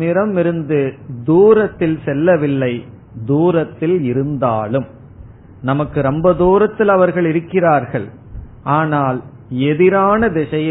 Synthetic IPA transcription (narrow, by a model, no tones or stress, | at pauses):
ɪɾɐmɪɾɯnd̪ɯd̪uːɾɐt̪ːɪlsɛlːɐʋɪlːɐɪ | d̪uːɾɐt̪ːɪlɪɾɯnd̪aːlɯm | nɐmɐkːɯɾɛmbɐd̪uːɾɐt̪ːɪlɐʋɐɾɣɐɭɪɾɯkːɪraːɾɣɐɭ | ʔaːnaːl | ɛðɪɾaːnɐd̪ɪʂɐjɐ